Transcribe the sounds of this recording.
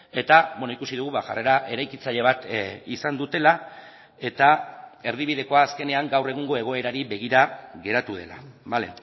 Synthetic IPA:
e̞t̪aβonoikusiðuɣ̞uβaʝa̰re̞ɾaʔe̞ɾajkit͡saʎe̞β̞at̪isand̪ut̪e̞la | e̞t̪ae̞ɾð̞iβ̞iðe̞ko̞aːske̞ne̞aŋɡawre̞ɣ̞uŋɡo̞e̞ɣ̞o̞e̞ɾaɾiβe̞ɣ̞iɾaɣe̞ɾat̪uðe̞la̰bale̞̰

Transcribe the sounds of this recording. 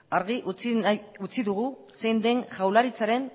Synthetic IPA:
aɾɣiʔut͡siut͡siðuɣu | se̞jnd̪e̞ŋʝawlaɾit͡saɾe̞n

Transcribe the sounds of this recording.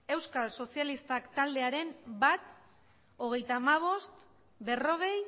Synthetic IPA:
e̞wskalso̞sijalist̪akt̪ald̪e̞aɾe̞mbat͡s̪ | o̞ɣe̞jt̪aːmaβ̞o̞st̪ | be̞ro̞ɣ̞e̞j

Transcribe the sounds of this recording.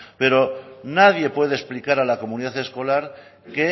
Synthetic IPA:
pe̞ɾo̞naðje̞pwe̞ð̞esplikaɾalako̞muniðaθe̞sko̞laɾke

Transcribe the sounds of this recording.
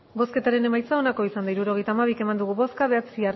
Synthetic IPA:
bo̞ske̞t̪aɾe̞ne̞majt͡sao̞nako̞isand̪aiɾuɾo̞ɣ̞e̞jt̪aːmaβ̞ike̞mand̪uɣ̞uβo̞skaβe̞at͡sia

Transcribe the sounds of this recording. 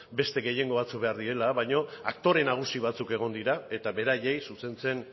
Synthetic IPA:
be̞st̪e̞ɣe̞je̞ŋɡo̞β̞at͡suk̚be̞aɾðiɾe̞laβajɲo̞akt̪o̞ɾe̞naɣ̞usiβ̞at͡suke̞ɣ̞o̞nd̪iɾae̞t̪aβe̞ɾaje̞jsuse̞nt͡se̞n

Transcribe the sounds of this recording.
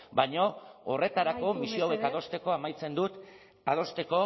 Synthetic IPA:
bajɲo̞ore̞t̪aɾako̞misioawe̞kaðost̪e̞ko̞amajt͡se̞nd̪ut̪ | að̞o̞st̪e̞ko̞

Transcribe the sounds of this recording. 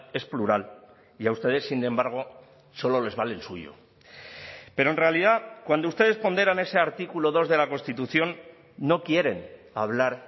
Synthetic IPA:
e̞spluɾal | iaust̪e̞ðe̞sːine̞mbaɾɣ̞o̞ | so̞lo̞le̞zβalelsuʝo̰ | peɾo̞enre̞aliðakwand̪oust̪e̞ð̞e̞spond̪e̞ɾane̞se̞aɾt̪ikuloð̞o̞zðe̞lako̞nst̪it̪uθjo̞nː | o̞kje̞ɾe̞n | aβ̞laɾ

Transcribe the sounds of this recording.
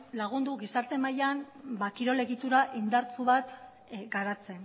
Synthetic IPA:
laɣ̞und̪uɣisaɾt̪e̞majan | bakiɾo̞le̞ɣit̪uɾaʔind̪aɾt͡suβat̪ | ɡaɾat͡se̞n

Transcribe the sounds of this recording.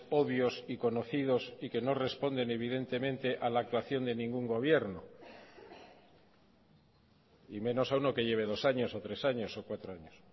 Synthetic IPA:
o̞βjo̞siko̞no̞θiðo̞sike̞no̞re̞spo̞nd̪e̞ne̞β̞ið̞e̞nt̪e̞mẽ̞nt̪e̞ʔalaːk̚t̪waθjo̞nd̪e̞nĩŋɡuŋɡo̞β̞je̞ɾno | imẽ̞no̞sauno̞ke̞ʝe̞β̞e̞ð̞o̞saɲo̞so̞t̪ɾe̞saɲo̞sokwat̪ɾo̞aɲos

